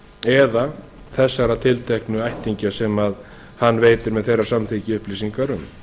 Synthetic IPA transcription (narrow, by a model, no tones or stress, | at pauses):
ɛða | θɛsːaɾat̪ʰɪlt̪ʰɛhknʏajht̪iɲcasɛmað | hanːveːjt̪ɪɾmɛðθejrːaɾsamθicɪʏhplisiŋkaɾʏm